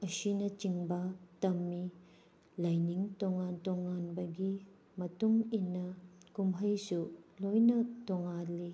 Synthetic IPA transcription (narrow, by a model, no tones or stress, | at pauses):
ɐsinɐt͡ʃiŋbɐtɐmːi | lɐjniŋtoŋantoŋanbɐɡi | mɐtuŋinɐkumɦɐjsulojnɐtoŋali